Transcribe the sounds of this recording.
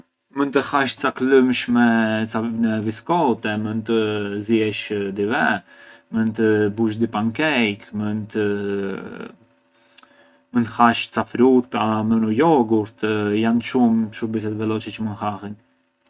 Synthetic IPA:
mənt̪əhaʃt͡saklumʃmɛt͡savinɛviskɔt̪ɛmənt̪əzjɛʃd̪ivɛmənt̪əbuʃ̬d̪ipaŋkɛjkmənt̪ə | mənt̪haʃt͡safɾut̪amənɔjɔɡuɾt̪janʃumʃubisɛt̪vɛlɔt͡ʃɛt͡ʃəmənhahin

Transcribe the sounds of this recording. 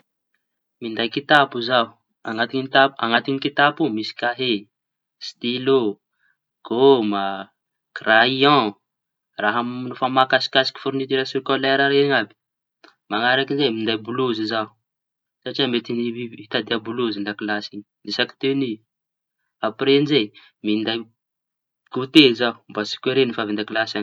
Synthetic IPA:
mind̪ajkit̪apuzau | aŋat̪iit̪apa̰ŋat̪iɲikit̪apumisi̥kʲaɦe | st̪ilo | ɡ̥oma | kraiɔ̃ | raɦamnufamakasi̥kʲasi̥ki̥fuɾunit̪iɾasokolɛɾaɾeɲabi̥ | maŋaɾakizemind̪ajbuluzizau | saʈ͡ʂiamet̪iniit̪ad̪eabuluzind̪akilasiɲid̪isaki̥t̪eni | apɾenze | mind̪aj | ɡ̥ot̪ezaumbasi̥keɾenifavind̪akilasan

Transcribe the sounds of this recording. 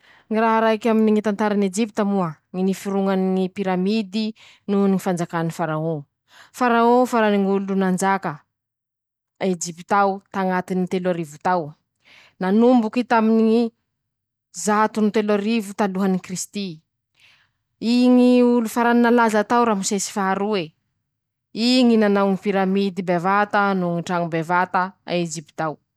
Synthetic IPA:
ŋiraɦaɾaɦikaminiŋit̪ant̪aɾaned͡ʒipit̪amuəŋinifiɾuŋaniŋipiɾamid̪i | nuniŋifand͡zakanifaɾaõ | faɾaõfaɾaniŋulunand͡ʒakə | ed͡ʒipit̪awt̪aŋat̪init̪elaɾivut̪aw | nanumbukit̪aminii | zat̪unit̪elaɾivut̪aluɦanikrist̪i | iŋiulufaɾaninalazat̪awɾamusesi̥faaɾue | iŋinanawnipiɾamid̪ibevat̪anuŋiʈ͡ʂaŋubevat̪əa̰ed͡ʒipi̥t̪aw

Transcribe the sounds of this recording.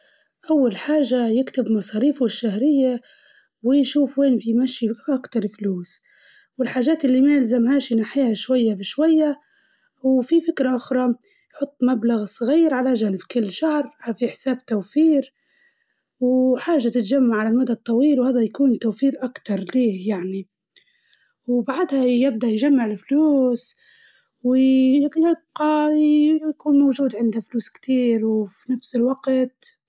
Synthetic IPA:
ʔawːalħaːʒːajɪkt̪ɪbmɑsˤɑːɾiːfʊɪʃːahɾɪjːa | wɪjʃuːfweːnfimaʃjiʔakt̪ɑɾˤfluːs | wɪlħaːʒaːt̪ʔɪlːimajɪlzamhaːʃinaħɪjaʃwajːabɪʃwajːa | wfifɪkɾaʔʊxɾˤɑ | jħʊt̪ˤːmablaɣsˤɣiːɾʕalaʒaːnɪbkɪlːʃahɾʕafiħsaːbt̪awfiːɾ | wħaːʒːat̪ɪt̪ʒamːaʕalalmad̪ad̚t̪ˤːɑwiːlwhaːðajakuːnt̪awfiːɾʔakt̪ɑɾˤliːhjaʕni | wbaʕd̪hajɪb̚d̪aʔjʒamːaʕɪlfluːs | wjɪb̚qɑ | jkuːnmawʒuːd̪ʕɪnd̪afluːskt̪iːɾwfinafsɪlwaɡt̪

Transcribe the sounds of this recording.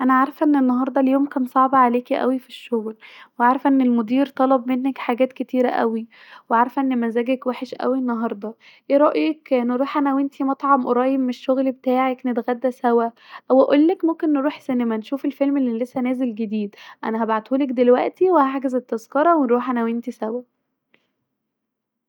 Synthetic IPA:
ʔænæʕaɾˤfʔenːenːɑɦɑɾˤd̪ˤɑljoːmkæːnsˤɑʕbɑʕaleːkiʔæ̰wifiʃːoɣlweʕaɾˤfʔenːelmod̪iːɾt̪ˤɑlɑbmenːækħaɡæːt̪ket̪iːɾæʔæ̰wi | weʕaɾˤfæʔenːemænzæːɡækwæħeʃʔæ̰wienːɑɦɑɾˤd̪ˤɑ | ʔeːɾˤɑʔjiːkneɾˤuːħʔanæwent̪imɑt̪ˤʕɑmʔoɾˤɑːjemːeʃːoɣlbet̪aːʕeknet̪ɣæd̪ːæsæwæ | ʔwʔæʔolːækmomkenːeɾˤuːħsenemænʃuːfelfelmelːilːesːænæːzelɡed̪iːd̪ʔæ̰næɦæbaʕad̪ʔuːlækd̪elwæʔt̪iwehaʕɡezæt̪ːezkɑɾˤɑwenɾˤuːħʔænæwent̪isæwæ

